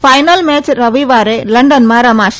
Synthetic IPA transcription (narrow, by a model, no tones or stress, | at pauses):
fɐɪnɐlmeːt͡ʃɾɐʋiʋaːɾelɐɳɖɐnmaːɾɐmaːʃ